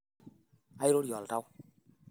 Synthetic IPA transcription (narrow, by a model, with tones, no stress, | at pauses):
a˦i˦ɾo˦ɾjɔ˨lta˦w